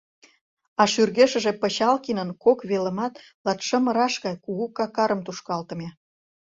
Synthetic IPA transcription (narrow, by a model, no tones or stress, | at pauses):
ɑʃyrɣeʃə̆ʒepə̆ɕɑlkinənkokβelə̆mɑt̪ | lɑt̪ʃə̆mə̆ɾɑʃɣɑjkuɣukɑkɑɾəmt̪uʃkɑlt̪ə̆me